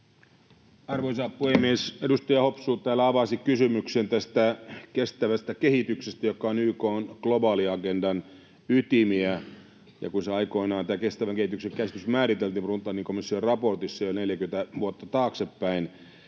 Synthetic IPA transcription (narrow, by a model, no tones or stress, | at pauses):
ɑrʋoisɑːppːuhemːiesedust̪ɑjɑhopsuːt̪t̪æːlːæɑʋɑsikysymyksent̪æst̪ækest̪æʋæst̪ækehit̪yksest̪æjokːˑɑonyːkoːnɡ̥lobɑːliɑkendɑn | yt̪imiæ | jɑ̰kunseɑiko̞inɑːnt̪æːkest̪æʋæŋkeit̪ykseŋkæsi̥t̪ysmæːrit̪elt̪iːmprunt̪ˑːɑniŋkomisːiorrɑport̪isːɑjolʲneljækyment̪æʋuot̪ːɑt̪ɑːksepːæin